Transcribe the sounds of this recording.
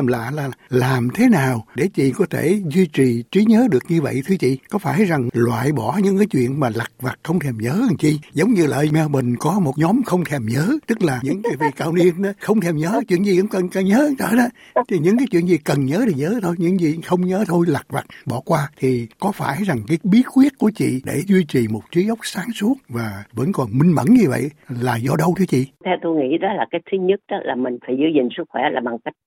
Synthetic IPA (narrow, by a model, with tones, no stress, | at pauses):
mla̰ː˧˨laː˨˩laː˨˩mt̪ʰe˨˦naː˨˩wɗe˧˩t͡ɕḭ˧˨kɔ˨˦t̪ʰe˧˩zwi˧t͡ɕi˨˩t͡ɕwi˨˦ɲəː˨˦ɗɨ˨˩ək̚ɲɨ˧və̰˧˨jt̪ʰɨ˨˦t͡ɕḭ˧˨kɔ˨˦faː˧˩jza˨˩ŋlwa̰ː˧˨jɓɔ˧˩ɲɨ̰˧˥ŋkaː˨˦jt͡ɕwḭ˧˨ənmaː˨˩la˨˩k̚va˨˩t̚xə˧wŋ͡mt̪ʰɛ˧˩mɲəː˨˦˧nt͡ɕḭ˧˨zə˨˦wŋ͡mɲɨ˧lə̰ː˧˨mɛ˧wmï˨˩ŋ̟kɔ˨˦mo˨˩t̚ɲɔ˨˦mxə˧wŋ͡mt̪ʰɛ˧˩mɲəː˨˦t̪ɨ˦˥k̚laː˨˩ɲɨ̰˧˥ŋkaː˨˦vḭ˧˨ka̰ː˧wni˧ən˨˦xə˧wŋ͡mt̪ʰɛ˧mɲəː˨˦t͡ɕwḭ˧˨ənzi˨˩hə˧˦ŋ͡mkə˨˩nkə˨˩ɲəː˨˦˧t̪ə̰ː˧˨˦ɗɔ˨˦ | t̪i˨˩ɲɨ̰˧˥ŋk̬aː˨˦jt͡ɕwḭ˧˨ənzi˨˩kə˨˩nɲəː˨˦ɗe˨˧˩ɲəː˨˦t̪ʰo˧jɲɨ̰˧˥ŋzi˨˩xə˧wŋ͡mɲəː˨˦t̪ʰo˧jla˨˩k̚va˨˩k̚ɓɔ˧˩kwaː˧t̪ʰi˨˩kɔ˨˦faː˧˩jza˨˩ŋkaː˨˦jɓi˦˥ət̚xwi˦˥ət̚ku˧˩ət͡ɕḭ˧˨ɗe˧˩zwi˧t͡ɕi˨˩mo˨˩t̚t͡ɕi˨˦zə˦˥wk͡p̚saː˨˦ŋsu˦˥ət̚vaː˨˩və̰˧˥nkɔ˨˩nmï˧ŋ̟mə̰˧˩nɲɨ˧və̰˧˨jlaː˨˩zɔ˧ɗə˧wt̪ʰɨ˨˦ət͡ɕḭ˧˨t̪ʰɛ˧wt̪o˧jŋḭ˧˥ɗɔ˨˦laː˨˩kaː˦˥k̚t̪ʰɨ˨˦ɲə˦˥t̚ɗɔ˨˦laː˨˩mï˨˩ŋ̟faː˨˧˦jzɨ˧zï˨˩ŋ̟sɨ˦˥k̚xwɛ˧˩laː˨˩ɓa˨˩ŋka˦˥jk̟̚